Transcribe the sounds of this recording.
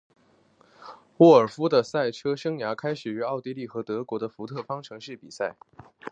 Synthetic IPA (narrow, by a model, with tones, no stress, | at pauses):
wɔ˥˩ə˞˨˩fu˥d̪ə˨sa˥˩ɪʈ͡ʂʰɤ˥ʂɤ˥ŋja˧˥kʰa˥ɪʂɻ̩˨˩y˧˥ɑ˥˧ʊt̪i˥˧li˥˩xɤ˧˥t̪ɤ˧˥kwɔ˧˥d̪ə˧fu˧˥t̪ʰɤ˥˩fɑ˥ŋʈ͡ʂʰɤ˧˥ŋʂɻ̩˥˩pi˨˩sa˥˩ɪ